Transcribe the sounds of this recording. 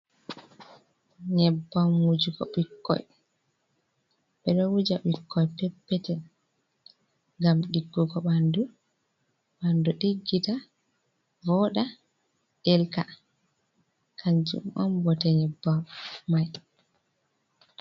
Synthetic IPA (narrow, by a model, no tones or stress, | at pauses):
ɲɛbːamwud͡ʒuɡɔ̰ɓikːɔ̰j | ɓɛɗɔwud͡ʒaɓikʰːɔjpɛpːɛtɛ | ŋɡamɗiɡːuɡɔɓandu | ɓanduɗiɡːita | vɔɗa | ɗɛlka̰ | kʰaɲd͡ʒṵmʔɔ̰nbɔtɛɲɛbːamːaj